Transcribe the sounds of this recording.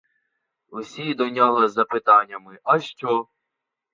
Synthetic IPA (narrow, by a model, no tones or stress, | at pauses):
usʲid̪ɔnʲɔɦɔzɐpɪt̪ɑnʲːɐmɪʔɐʃt͡ʃɔ